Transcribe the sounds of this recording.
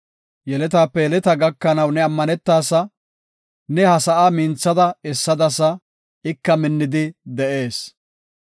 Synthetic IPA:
jɛlɛt̪aːpːɛjɛlɛt̪ɐɡɐkːɐnɐwnɛɐmːɐnɛt̪ːaːsɐ | nɛhɐsɐʔaːmɪnt͡sːɐd̪ɐɛsːɐd̪ɐsɐ | ɪkːɐmɪnːɪd̪ɪd̪ɛʔe̞ːs

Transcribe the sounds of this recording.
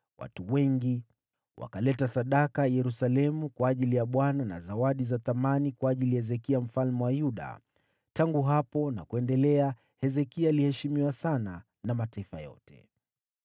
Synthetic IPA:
wʔa̰tuwɛŋɡi | wʔa̰kalɛtasaɗakajɛɾusalɛmukwaːʄilijaɓwanana̰zawaɗizaθamanikwaːʄilijahɛzɛkiam̩falmɛwajuɗa̰ | taŋɡuɦapɔna̰kuɛndɛlɛa | hɛzɛkialihɛʃimiwasana | namataifajɔ̰tʰɛ̥̰

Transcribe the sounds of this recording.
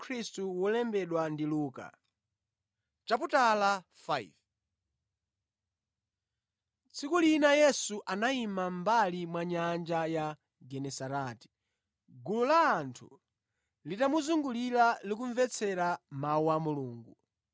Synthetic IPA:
kʰɾistuwɔlɛmbɛɗwandiluːka̰ | t͡ʃap̬utala | faj̰v | t͡sʰikulinajɛsuʔanaimambalimwaɲand͡ʒaja | ɡɛnɛsaɾaːti̥ | ɡululaːntʰṵ | litamuzuŋɡulilalik̬uɱvɛt͡sʰɛɾamauwamuluːŋɡu

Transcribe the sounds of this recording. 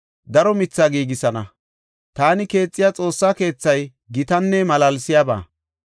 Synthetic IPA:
d̪ɐɾɔmɪt͡sːaːɡiːɡɪsɐnɐ | t̪aːnɪke̞ːt͡sʼːɪjat͡sʼo̞ːsːaːke̞ːt͡sːɐj | ɡɪt̪ɐnːɛmɐlɐlsɪjaba̰ː

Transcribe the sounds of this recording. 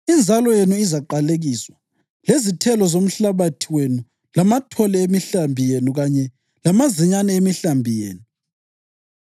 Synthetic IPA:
ind͡zʱalɔjenuizaǃaleɣiswa | lezitʰɛlɔzom̩ɬaβatʰiwenu | lamatʰɔlɛemiɬambʱijenuɣaɲɛ | lamazɛɲanɛemiɬambʱijḛːnu

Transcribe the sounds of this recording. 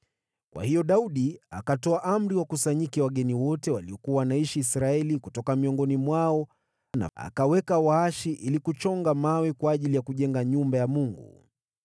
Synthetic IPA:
kwa̰hijɔɗauɗia̰katɔaʔam̩ɾiwakusaɲikɛwaɠɛniwɔtɛwaliɔkuawanaiʃiːsɾaɛlikutɔkamiɔŋɡɔnimwaɔ | na̰a̰kawɛkawaaʃiʔilikut͡ʃɔŋɡamawɛkwaːʄilijakuʄɛŋɡaɲumbajamuŋɡṵ

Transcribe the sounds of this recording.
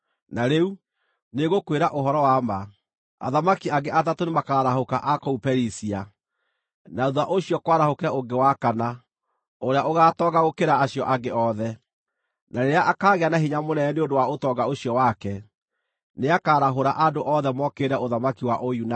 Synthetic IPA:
naɾeu | neɣokweɾaʔoɦɔɾɔwama | a̰ðamakiaɡeʔatatonemakaːɾaɦokaʔakɔupɛɾisia | naðwaʔoɕiɔkwaɾahokeɾaoɡewakana | oɾeaoɣaːtɔŋɡaɣokeɾaːɕiɔʔaɡeɔðɛ | naɾeɾeaʔakaːɣeanaɦiɲamonɛɛneondowaotɔɡaoɕijɔwakɛ | neakaːɾaɦoɾaʔadoʔɔðɛmɔkeːɾɛoðamakiwaʔojuna

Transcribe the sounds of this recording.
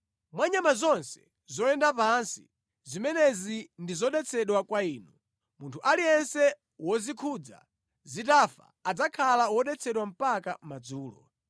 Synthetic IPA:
mwaɲamazɔnsɛ̥ | zɔɛndapansi | zimɛnɛzindizɔɗɛt͡sʰɛɗwakwaiːnu | muntʰuʔaliɛnsɛ | wɔzikʰud͡za̰ | zitafa̰ːd͡zakʰalawɔɗɛt͡sʰɛɗwam̩pakamad͡zuːlɔ̰

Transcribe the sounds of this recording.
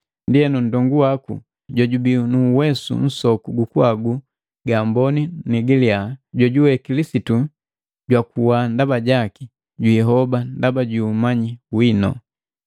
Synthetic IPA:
ndiɛnun̩dɔŋɡuwakṵ | ɟɔɟubinuwɛsṵn̩sɔkuɡukuaɡu | ɡambɔniniɡiliaɟɔɟuwɛkilisitu | ɟwakuwandabaɟaki | ɟuɛɦɔbandabaɟuːmaɲiwinɔ̰

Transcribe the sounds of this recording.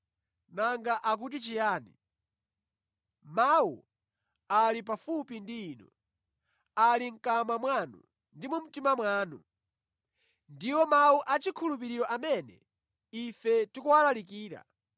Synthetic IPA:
naŋɡaʔak̬ut̬it͡ʃijaːni | mawṵ | alip̬afupindiːnɔ̰ | aliŋ̩kamamwanṵ | ndimum̩timamwaːnṵ | ndiwɔmawuʔat͡ʃikʰulup̬iɾiɾɔʔamɛnɛ̰ | ifɛtikuwalalikiːɾa̰

